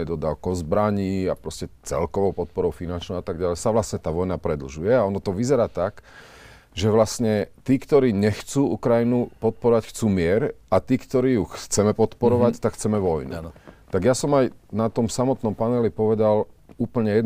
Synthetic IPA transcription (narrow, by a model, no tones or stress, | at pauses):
ɛd̪ɔd̪aʊkɔʊzbɾaɲiːapɾɔscɛt͡sɛ̰lkɔʋɔʊpɔt̪̚pɔɾɔʊfinant͡ʃnɔʊat̪aɡɟalɛsaʋlasɲɛt̪aːʋɔjnapɾɛd̪l̩ʒujɛaɔnɔt̪ɔʋizɛɾaːt̪ak | ʒɛʋlasɲɛt̪iːkt̪ɔɾiːɲɛxt͡suːukɾajinupɔt̪̚pɔɾɔʋacxt͡suːmɪɛɾat̪iːkt̪ɔɾiːjuxt͡sɛmɛpɔt̪pɔɾɔʋact̪akxt͡sɛmɛʋɔjnṵt̪aɡjasɔmajnat̪ɔmsamɔt̪nɔmpanɛlipɔʋɛd̪aluːpl̩ɲɛjɛd̪n